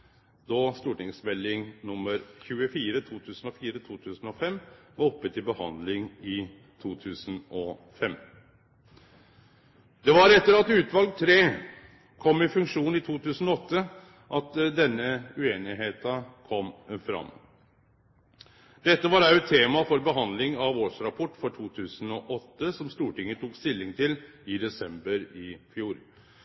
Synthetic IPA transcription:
d̪ɑst̪uːʈɪŋsmɛlːɪŋnʊmːəɾçʉːəfiːɾət̪ʰuːt̪ʰʉːsnɔfiːɾət̪ʰuːt̪ʰʉːsn̩ɔfɛmːʋɑɾɔpːət̪ʰːɪlbəhɑ̰nd̪lɪŋɪ | t̪ʰuːt̪ʰʉːsən̩ɔfɛmː | d̪ɛʋɑɾɛt̪ːəɾɑt̪ʉːt̪ʋɑlɡ̚t̪ʰɾeː | kʰɔmːɪfʉŋkʂuːnɪt̪ʰuːt̪ʰʉːsənɔɔt̪ːə | ʔɑt̪d̪ɛnːəʉeːnɪɦeːt̪ɑkʰɔmːfɾɑ̰mː | d̪ɛt̪ːəʋɑɾæɛt̪ʰːeːmɑfɔɾbəɦɑnd̪lɪŋɑʋoːʂɾɑpʰɔʈːfɔʈʰuːt̪ʰʉːsənɔʔɔt̪ːəsɔmst̪uːʈɪŋːət̪ʰuːkst̪ɪlːɪŋt̪ʰɪlɪd̪ɛsɛmbəɾɪfjuːɾ

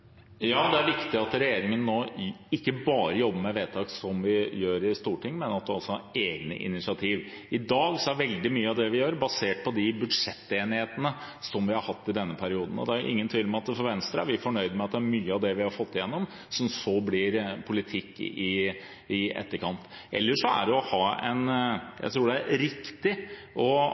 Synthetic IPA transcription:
jɑːd̪ɛæɾʋɪkt̪ɪɑt̪ɾɛjeːɾɪŋənːoːɪkːəbɑːɾəjɔbːəmɛʋeːt̪ʰɑːksɔmʋɪjøːɾɪst̪uːʈʰɪŋːmɛnɑt̪̚d̪ɛɔsːɔɑɾeːɡnə̰ʔɪ̰nɪsɪɑt̪ʰiːʋ | ɪd̪ɑːɡsɔæʋɛld̪ɪmyːəɑʋd̪ɛʋɪjøːɾbɑseːʈ̚pʰɔd̪ɪbʉd̪ʂɛt̪ːeːnɪheːt̪ənə | sɔmʋɪhɑɾhɑt̪ːɪd̪ɛnːəpʰæɾɪuːd̪ən̩ɔ̰d̪ɛæʊʔɪ̰ŋːənt̪ʰyːləmɛɑt̪fɔɾʋɛnst̪ɾəæ̰ɾʋɪfɔɳœʏd̪mɛɑt̪̚d̪ɛæɾmyːəɑʋd̪ɛʋɪhɑɾfɔt̪ːɪjɛnːɔm | sɔmsɔblɪɾpʰʊlɪt̪ʰɪkːɪ | ɪɛ̰t̪ːəɾkʰɑnt̪ | ʔɛ̰lːəʂɔæ̰ɖɛɔhɑːɛ̰njæ̰ɪt̪ʰɾuːɖɛæɾɾɪkt̪ɪʔɔ

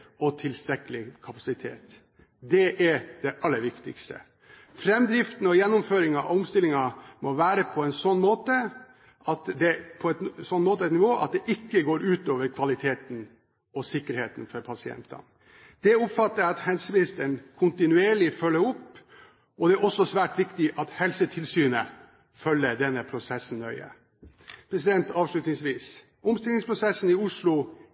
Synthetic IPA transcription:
ɔt̪ʰɪlst̪ɾɛkːəlɪkʰɑpɑsɪt̪ʰḛːt̪ | d̪ɛʔɛd̪ɛʔɑlːəɾʋɪkt̪ɪ̰kst̪ə̰ | fɾɛmd̪ɾɪft̪n̩ɔjɛnːʊmføːɾɪŋɑʔʊmst̪ɪlːɪŋɑmɔʋæːɾəpʰɔɛnsɔnːmoːt̪ə | ʔɑt̪d̪ɛpʰɔɛt̪sɔnːmoːt̪əɛt̪nɪʋoːʔɑ̰t̪̚d̪ɛʔɪkːəɡoːɾʉːt̪oːʋəɾkʰʋɑlɪt̪ʰeːt̪n̩ | ɔsɪkːəɾheːt̪nfɔɾpʰɑsɪɛ̰nt̪ɑ̰n | d̪̥ɛʊpfɑt̪ːəɾɑt̪hɛlsəʋɪst̪ənkʰʊnt̪ɪnʉeːɭɪfœlːəɾʊpː | ʔɔd̪ɛæɾɔsːɔsʋæːʈʋɪkt̪ɪʔɑt̪hɛlsət̪ʰɪlsyːnə | fœlːəɖ̪ɛnːəpʰɾʊsɛsːn̩ːœʏə̰ | pʰɾɛsɪd̪ɛnt̪ɑːʋʂɭʉt̪nɪŋsʋiːs | ʊmst̪ɪlɪŋspʰɾʊsɛsːn̩ɪʊʂɭʊ

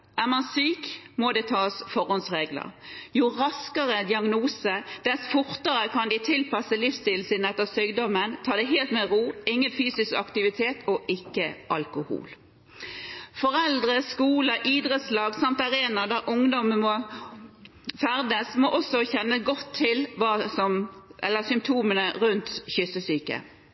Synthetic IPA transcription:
ʔæːmɑnsyːkmɔd̪ɛːt̪ʰɑːsfɔʁhɔnsʁeːɡlə̰ʁjʊʁɑskəʁəd̪ɪɑɡnuːsəd̪̥ɛsfʊʁt̪əʁəkʰɑnd̪ɪt̪ʰɪlpɑsəlɪfst̪ɪl̩siːnɛt̪ːəʁsyːɡd̪ɔmənt̪ʰɑːd̪ɛɪɦeːlt̪mɛʁuːɪŋːənfyːsɪskɑkt̪ɪʋɪt̪ʰeːt̪ʰɔʔɪkːəʔɑlkʊhṵːl | fɔʁɛld̪ʁəskuːləʔiːd̪ʁət̪slɑːɡsɑmt̪ɑʁeːnɑd̪æʁʔʊŋd̪ɔməmɔ | fæʁd̪əsmoːʔɔsɔçɛnːəɡɔt̪ʰːɪlʋɑːsɔmʔɛ̰lːəsʏmpt̪ʰuːmənəʁʉnt̪çʏsəsyːkə̰

